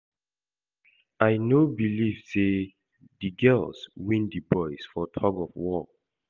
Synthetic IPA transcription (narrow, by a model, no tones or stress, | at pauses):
aɪnobiliv̥se | diɡɜlswĩndibɔɪsfɔtʰɔɡɔfwɔ